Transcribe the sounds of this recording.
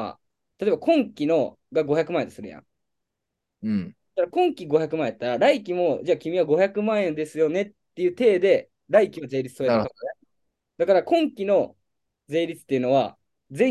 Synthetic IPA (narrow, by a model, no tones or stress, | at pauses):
a̰ | t̪at̪obakõ̞ŋkʲino̞ | ɡaɡo̞çakɯ̟mãːẽosɨɾɯ̟jã̰ | t̪aɾakõ̞ŋkʲiɡo̞çakɯ̟mãẽj̪at̪ːaɾaɾaik̬ʲimo̞d͡ʑaːkʲimʲiβaɡo̞çʲakɯ̟mãẽ̞nd̪e̞sɨjo̞ne̞t̪ːe̞jɯ̟ːt̪e̞ːd̪e̞ | ɾaikʲiβaze̞ːɾʲit͡sɨ̥soːjaka | d̪̥akaɾakõ̞ŋkʲino̞ | d͡ze̞ːɾʲit͡sɨ̥t̪ːe̞iɯ̟no̞βa̰ | d͡zẽ̞